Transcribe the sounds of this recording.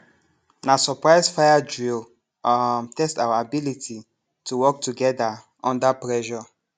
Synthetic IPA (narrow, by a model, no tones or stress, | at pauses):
nasɔpɹaɪzfajad͡ʒil | mtɛstawaabilitʰi | tʰuwɔk̚tuɡɛda | ʔɔ̃ndapɹɛʃɔ